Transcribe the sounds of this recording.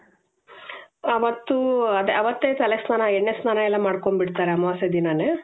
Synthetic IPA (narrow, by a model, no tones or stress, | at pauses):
ɐʋɐt̪ːuɐd̪eɐʋɐt̪ːeːt̪ɐlesnaːnɐɛɳːesnaːnɐjɛlːɐmaːɽkoɳbiɽt̪aːɾeɐmɐʋaːsed̪inɐne